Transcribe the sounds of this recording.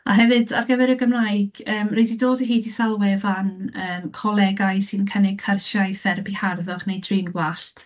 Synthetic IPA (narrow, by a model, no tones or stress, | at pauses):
aɦɛvɨdarɡəvɛɾəɡəmnaɨɡ̥əːmrejdidoːdəɦiːdisalˠwɛvanəːmkʰɔlˠɛɡajsɨnkʰənɪɡ̚kʰərʃaɨfɛrbiharðɔχnejdriːnɡwaɬtʰ